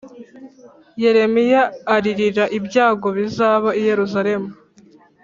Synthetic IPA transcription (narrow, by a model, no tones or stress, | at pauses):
je̞ɾe̞mijaːɾiɾiɾaʔibɟaːɡo̞βizaːβaije̞ɾuzaɾe̞mu